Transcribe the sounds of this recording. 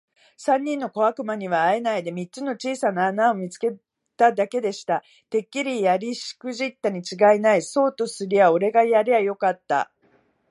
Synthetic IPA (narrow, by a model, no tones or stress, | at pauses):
sãɲ̟ːĩnːo̞ko̞βakɯ̟maɲ̟iβaːe̞naid̪e̞mʲitt͡sɨno̞t͡ɕiːsanaːnao̞mʲit͡sɨ̥ke̞ | t̪ad̪ake̞d̪e̞ɕi̥t̪a | t̪e̞kʲːiɾʲijaɾʲiɕi̥kɯ̟ʑit̪ːaɲ̟it͡ɕiɡainaiso̞ːt̪o̞sɨɾʲijao̞ɾe̞ɡajaɾʲijajo̞kat̪ːa̰